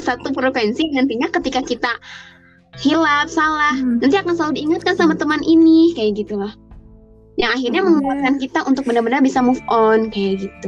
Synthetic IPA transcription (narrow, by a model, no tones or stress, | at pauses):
sat̪upɾofɛnsidəŋant̪iɲakət̪ikakit̪a | hilap̚salahnant̪iakansaludiːŋat̪̚kansamat̪əmanʔinikajaɡit̪ulah | jaŋaɦirɲaməŋuat̪̚kankit̪aʔunt̪ʊk̚bəndarbənarbisamufʔɔnkajaɡit̪u